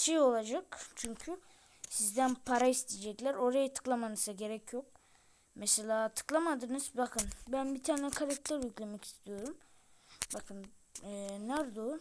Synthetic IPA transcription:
ʃejo̞lˠad͡ʒakt͡ʃʰyɲcʰy | sizd̪ænpʰaɾaist̪ʰed͡ʒɛclʲæɾo̞ɾajat̪ʰɯ̥klˠamanɯzaɟe̞ɾɛcʰjok̚ | mɛselʲaːt̪ʰɯ̥klˠamad̪ɯnɯz̥bakʰɯnbænbit̪ʰaːnɛkʰaɾak̚t̪ʰæɾjyclʲe̞mɛcʰi̥st̪ʰijo̞ɾum | bakʰɯnː | næɾd̪o

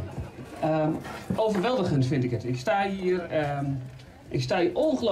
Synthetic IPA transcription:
əʔowvərʋɛlˠdəɣəntfɪntɪkətɪkstaːiər | ʔɪkstaːiəʔoənχəlo

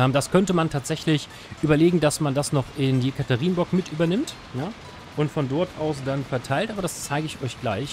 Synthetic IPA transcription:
ɛmd̥askʰœntəmantʰaːtz̥ɛçlɪç | ʔyːbɐleːɡŋ̩dasmandasnɔχʔɪndiːkʰataʁiːnbɔkmɪtʔyːbɐnɪmt | ja | ʔʊntfɔndɔɐtʔaʊsd̥anfɛɐtʰaɪltʔaːbɐdast͡saɪɡəɪçɔʏçɡ̥laɪç

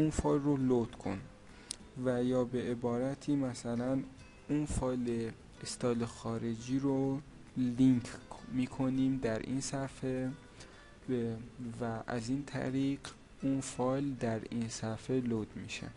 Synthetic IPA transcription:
unfɒːjlrolod̪̥kʰo̰n | væjɒːbeʔebɒːɾæt̪ʰiːmæsælæn | unfɒːjle | est̪ɒːlexɒːɾe̞d͡ʒiːɾo | liŋkʰmiːkʰoniːmd̪æɾʔḭnsæfe | væʔæ̰zint̪ʰæ̰ɾiːɢ | unfɒːjld̪æɾinsæfelod̪miʃḛ

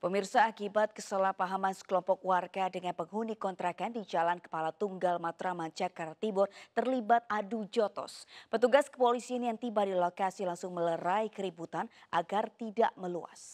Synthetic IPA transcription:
pəmirsaːkibat̪̚kəsəlahpaɦamansə̥kəlɔmpɔk̚warɡadəŋanpəŋɦunikɔnt̪ɾakandid͡ʒalankə̥palat̪uŋɡalmat̪ɾamaɲt͡ʃakaɾat̪ibʊrt̪ərlibat̪̚adud͡ʒɔt̪ɔ̰spət̪uɡaskə̥polisianjaŋt̪ibadilokasilaŋsʊŋmələɾaikəɾibut̪anʔaɡart̪ida̰ʔməlua̰s

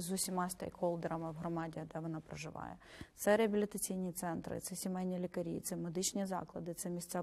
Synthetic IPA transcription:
zʊsʲimɑst̪ḛjkɔlˠd̪eɾɐmɪwɦɾɔmɑdʲiɐd̪ɛʋɔnɑpɾɐʒɪʋɑ̰jɛ̰t̪sɛɾɪɐbʲilʲɪt̪ɐt͡sʲijnʲit̪sɛnt̪ɾɪ̰t̪sɛsʲimɛlʲnʲilʲikɐɾʲḭt̪sɛmed̪ɪt͡ʃnʲizɑ̰klˠɐd̪ɪt̪sɛmʲisʲt̪ʲt͡sʲɛ

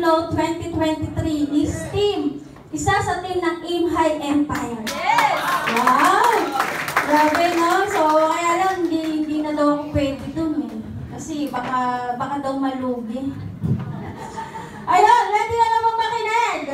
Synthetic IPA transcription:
nolt̪wɛnt̪it̪wɛnt̪ɪt̪ɾinist̪im | ʔɪsasɐt̪imnɐŋʔimɦajʔɛmpaj | wawɡaɡɛjnonsokɐjaːlɐŋhɪnd̪ihɪnd̪inɐd̪ɐwɐkopwɛːd̪ɪd̪onɛ | kɐsɛbakabɐkad̪ɐwmɐluːɡɪ | ʔɐjonwɛd̪ɪnɐlɐmɐŋmɐkɪnɛɡ̚

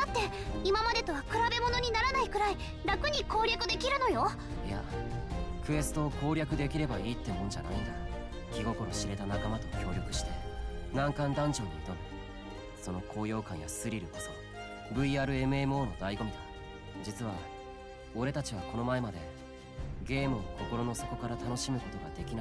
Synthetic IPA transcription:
d̪̥at̪ːe̞ | imamad̪e̞t̪o̞βakɯ̟ɾabe̞mo̞no̞ɲ̟inaɾanaikɯ̟ɾai | ɾakɯ̟ɲ̟iko̞ːɾʲakɯ̟d̪e̞kʲiɾɯ̟no̞jo̞ | ja̰ | kɯ̟e̞sɨ̥t̪o̞ːko̞ːɾʲakɯ̟d̪e̞kʲiɾe̞baiːt̪ːe̞mõɲ̟d͡ʑa̰na̰ind̪a | kʲiɡo̞ko̞ɾo̞ɕiɾe̞t̪anakamat̪o̞kʲo̞ːɾʲo̞kɯ̟ɕi̥t̪e̞nãŋkãnd̪ãɲ̟d͡ʑo̞ːɲit̪oɾi | so̞no̞kʰo̞ːjo̞ːkãɰ̃ja̰sɨɾʲiɾɯ̟koso | bɯ̟iaːɾɯ̟e̞mɯ̟emo̞ːno̞d̪aiɡo̞mʲid̪a | d͡ʑit͡sɨβa | o̞ɾe̞t̪at͡ɕiβ̞ako̞no̞mae̞mad̪e̞̰ | ɡe̞ːmɯːnoko̞ko̞ɾo̞no̞so̞ko̞kaɾat̪ano̞ɕimɯ̟ko̞t̪o̞ɡa̰d̪e̞kʲina

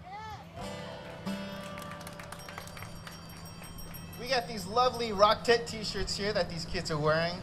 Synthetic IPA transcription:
wiɡɑt̪̚ðizlʌvliɹɑk̚tʰɛtʰiʃə˞tshiɹðɨt̪̚ðiz̥kʰɪdzə˞wɛɹɪ̃ŋ

